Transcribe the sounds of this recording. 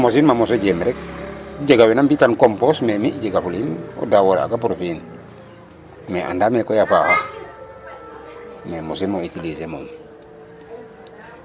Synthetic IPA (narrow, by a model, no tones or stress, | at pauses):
mosinmamosoɟemɾɛk̚ɟeɡawinambitankompɔsmemiɟeɡafulino̰dawoɾa̰ɡapɾofin | mɛʔa̰ndamɛlkojafa̰ha | mɛmosinmoitilisemo̰m